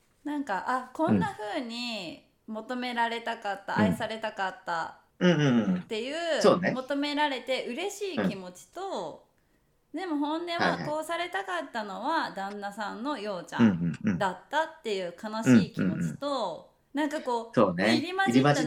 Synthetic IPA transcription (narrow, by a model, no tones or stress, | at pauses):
nãŋkaʔakõ̞nːaɸɯ̟ːɲ̟i | mo̞t̪o̞me̞ɾaɾe̞t̪akat̪ːaaisaɾe̞t̪akat̪ːa̰ | ɯ̟̃ːɯ̃t̪ːe̞jɯ̟ːsoːnemo̞t̪o̞me̞ɾaɾe̞t̪e̞ʔɯ̟ɾe̞ɕiːkkʲimo̞t͡ɕi̥t̪o̞ | d̪e̞mo̞ɦõ̞nd̪e̞βaako̞ːsaɾe̞t̪akat̪ːano̞βad̪ãnːasãnːo̞jo̞ːt͡ɕã̰d̪at̪ːat̪ːe̞jɯ̟ːkanaɕiːkʲimo̞t͡ɕi̥t̪o̞ | nãŋkako̞ːsoːneiɾʲimaɾimai